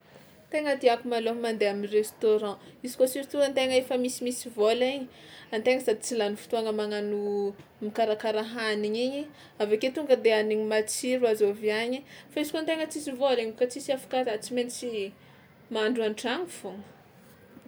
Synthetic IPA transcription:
t̪eŋət̪iakumalomand̪eaminrest̪oɾɑ̃izi̥kosiɾt̪uant̪eŋəefəmisimisivoliɲi̥ant̪eŋəsad̪it͡silanufi̥t̪uaŋəmaŋanumikaɾakaɾaɦaniɲiɲi | aveket̪uŋɡəd̪eaniɲimat͡siɾuazoviaɲifaizikont̪eŋət͡sisivoliɲkat͡sisiafḁkazat͡siment͡si | maɳɖ͡ʐuaɳʈ͡ʂaŋifoŋə

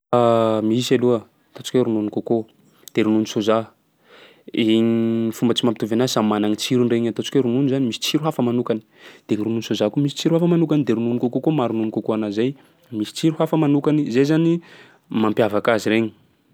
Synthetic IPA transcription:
amiisaluə | t̪ot͡si̥kʲeɾununikoko | d̪̥eɾununisoza | iɲfumbət͡simampit̪uvanaisamanaŋit͡siɾunreɲat̪ot͡si̥keɾununizanimisi̥t͡siɾuɦafəmanukani̥d̪̥eŋiɾununsozakumisi̥t͡siɾuhafamanukanid̪eɾununikokokomaɾununikokoanazaj | misi̥t͡siɾuhafəmanukanizejzani | mampjavakaziɾeɲi̥

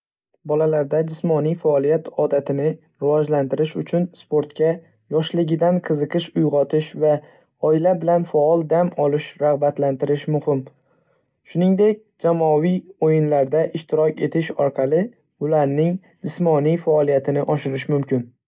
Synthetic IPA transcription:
bɒlalaɾd̪ad͡ʒɪsmɒnijfaɒlˠijat̪ʰɒd̪at̪ʰɪnɪ | ɾɪvɒd͡ʒlant̪ɪɾɪʃʊt͡ʃʰʊnspo̞ɾt̪kʲa | jɒʃlɪɡʲɪd̪anqʰɨzɨqɨʃʊjʁɒt̪ʰɪʃva | ɒɪlabɪlanfaɒlˠd̪amɒlɪʃɾaʁbat̪lant̪ɪɾɪʃmʊhɪm | ʃʊnɪŋd̪e̞k̚ʲd͡ʒamɒvijojɪnlaɾd̪aʔɪʃt̪ɪɾɒkʲe̞t̪ʰɪʃɒɾqʰɑlɪ | ʊlaɾnɪŋ | d͡ʒɪsmɒnijfaːlˠijat̪ʰɪnɪʔɒʃɪɾɪʃmʊmkʲʰɪn

